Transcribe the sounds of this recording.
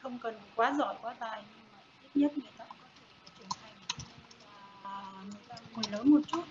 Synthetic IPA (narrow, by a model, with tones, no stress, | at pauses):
xə˧wŋ͡mkə˨˩n˩kwaː˨˦zɔ̰˧˨jkwaː˨˦za̰ː˧˨jɲɨ˧ŋmaː˨˩t̪i˦˥p̚ɲə˦˥t̚mə˨˩kaː˦˥kkɔ˨˦t̪ʰe˧˩ka˨˩˦t͡ɕɨ˧˩ənt̪ʰa˨˩jŋ̟˨˩ | ʔəː˨˩mɨ˨˧˩ka˧mu˨˩nləː˨˦nmo˨˩t̚t͡ɕu˦˥t̚